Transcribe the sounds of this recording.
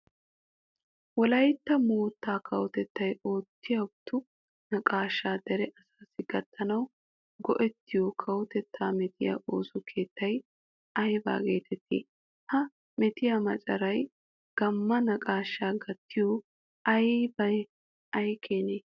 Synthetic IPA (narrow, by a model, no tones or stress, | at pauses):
wɔlɐjt̪ːɐmoːt̪ːaːkʰɐwɔt̪ɛt̪ːɐjo̞ːt̪ːɪjɐbt̪ːʊ | nɐkʼaːʃːaːd̪ɛɾɛʔɐsaːsɪɡɐt̪ʰːɐnɐw | ɡɔʔɛt̪ːɪjokʰɐwɔt̪ɛt̪ʰːaːmɛt̪ɪja̰ʔo̞ːsʊkʰe̞ːt̪ːɐj | ʔɐjba̰ːɡe̞̰ːt̪ʰɛt̪ːḛː | hɐ | mɛt̪ɪjamɐt͡ʃʼɐɾɐj | ɡ̥ɐmːɐnɐkʼaːʃːaːɡɐt̪ːɪjoː | ɐjbɐj | ɐjkʰeːneː